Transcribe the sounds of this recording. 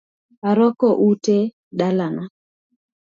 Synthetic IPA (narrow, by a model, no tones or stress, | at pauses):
aɾɔkɔʔute | ɗalana